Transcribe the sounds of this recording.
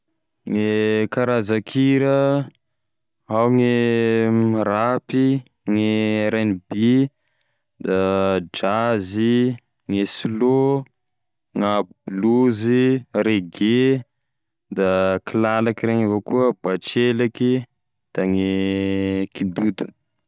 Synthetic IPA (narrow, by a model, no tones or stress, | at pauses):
ŋekaɾazakʰiɾə | awŋemɾapi | ŋeɾenibi | d̪ad͡ʒazi | ŋeslo | ŋabluziɾeɡe | d̪akilalakiɾeɲivokuəbat͡ʃelaki | d̪̥aŋe | kid̪ud̪u